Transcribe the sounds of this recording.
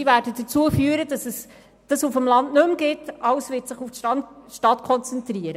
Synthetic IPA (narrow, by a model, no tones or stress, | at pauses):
ivæːdədət͡suəfyːəɾəd̥ɑsɛs | d̥ɑsufəmlɑndnɵmɡ̥ɪtʔɑwsvɪtsɪχuftʃʃtɑtkʰɔnt͡sɛntɾiəɾə